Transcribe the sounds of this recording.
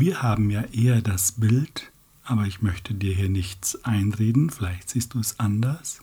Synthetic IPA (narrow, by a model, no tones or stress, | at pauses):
viːɐhaːbm̩jaːʔeːɐdasb̥ɪlt | ʔaːbɐɪçmœçtʰədiːɐɦiːɐnɪçt͡sʔaɪnʁeːdn̩fɪlaɪçtz̥iːst̚d̥uːsʔandɐs